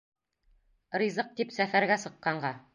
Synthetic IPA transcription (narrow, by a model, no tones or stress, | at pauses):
ɾizɤq̚t̪ipsæfæɾɡæsɤ̆qːɑɴɢɑ